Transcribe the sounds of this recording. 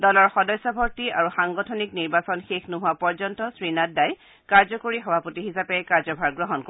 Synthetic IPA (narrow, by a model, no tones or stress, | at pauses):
dɔlɔɹxɔdɔjsːɔbʱɔɹtiaɹuxaŋɡɔtʰɔnikniɹbasɔnxexnuɦʊapɔɹzɔntɔsɹinad̚daj | kaɹzɔkoɹixɔbʱapotiɦisapɛkaɹzɔbʱaɹɡɹɔɦɔnko